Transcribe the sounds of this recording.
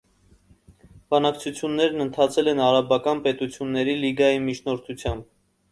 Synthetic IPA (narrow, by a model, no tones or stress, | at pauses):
b̥ɑnɑkt͡sʰut͡sʰjunːɛɾnənt̪ʰɑt͡sʰɛlɛnɑɾɑbɑkɑnpɛt̪ut͡sʰjunːɛɾiliɡɑjimit͡ʃʰnɔɾt̪ʰut͡sʰjɑmb̚